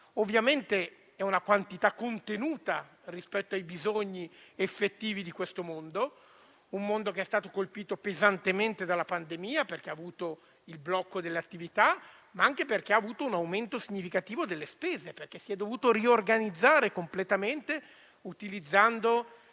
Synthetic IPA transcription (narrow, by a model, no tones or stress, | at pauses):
ovːjament̪e | ɛunakwant̪it̪akːont̪enuːt̪a | rispɛt̪ːoajbizoɲːiefːet̪ːiːvid̪ikwest̪omond̪o | ummond̪okeɛst̪aːt̪okolpiːt̪opezant̪ement̪ed̪alːapand̪emiːaperk̟eaːvuːt̪o | ilblɔkːod̪elːeat̪ːivit̪a | maaŋkeperk̟eaːvuːt̪ounawment̪osiɲːifikat̪iːvod̪elːespeːzeperk̟esiɛd̪ːovuːt̪oriorɡanid̪zːaːɾekomplet̪ament̪e | ut̪ilid̪zːand̪o